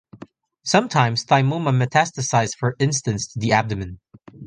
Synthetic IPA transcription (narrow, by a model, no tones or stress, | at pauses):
sʌ̃mtʰãɪ̃mz̥θaɪmũməmɨtʰæstɨsaɪz̥fə˞ɪ̃nstɨ̃nsʰðiæb̚dɨmɨ̃n